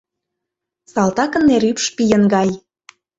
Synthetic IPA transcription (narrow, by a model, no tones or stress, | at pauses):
sɑlˠt̪ɑkə̆nːeɾypʃpijə̆nɡɑj